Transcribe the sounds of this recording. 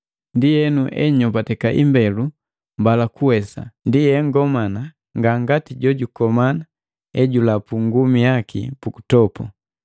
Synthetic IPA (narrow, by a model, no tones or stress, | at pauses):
ndijɛnuʔɛ̰ɲɔbatɛkaʔimbɛlu | mbalakuwɛsa̰ndijɛŋɡɔmana | ŋɡaŋɡatiɟɔɟukɔmana | ɛɟulapuŋɡumijakʰḭpuku̥tɔpɔ